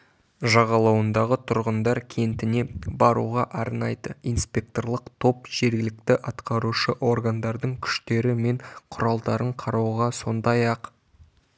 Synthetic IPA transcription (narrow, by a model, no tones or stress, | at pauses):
ʒɑʁɑlˠɑwənd̪ɑʁət̪ʰʊɾʁənd̪ɑɾkʲʰe̞nt̪ɪne̞bɑɾṵʁɑʔɑɾnɑjd̪əijnspʲe̞k̚t̪o̞rlˠəqt̪ʰo̞pʒ̥e̞ɾɡʲɪlɪk̚t̪ɪʔɑt̪qɑɾuʃəʔo̞rɡand̪ɑɾd̪əɴkʲʰʏ̥ʃt̪e̞ɾɪme̞ɴqʰʊɾɑlˠd̪ɑɾəɴqʰɑɾɑwʁɑso̞nd̪ɑjɑq